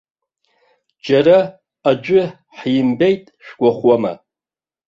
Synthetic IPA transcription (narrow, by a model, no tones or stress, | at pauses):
d͡ʒaɾa | ad͡ʒʷʼʏ | ħjɪmbejtʼʃᶣɡ̥ʷaχwama̰